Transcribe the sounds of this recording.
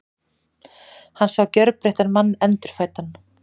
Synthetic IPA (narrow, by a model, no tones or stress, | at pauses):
hanːsawcœɾpɾeht̪anmanːɛnt̪ʏɾ̥faːjt̪an